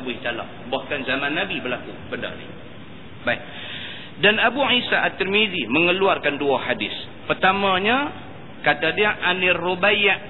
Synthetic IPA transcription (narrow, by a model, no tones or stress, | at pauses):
buiht̪ala̰ʔbahkanzamanːabibərlakubəndə̰nḭ | baik̚ | danabuʕisaʔat̪ːirmid̪iməŋəluarkanduahadɪs | pərt̪amãɲa | kat̪adiaʔanirubajaʔ